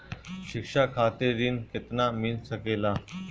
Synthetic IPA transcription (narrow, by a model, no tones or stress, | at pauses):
ɕikʂakʰat̪iɾiːnket̪namilsəkela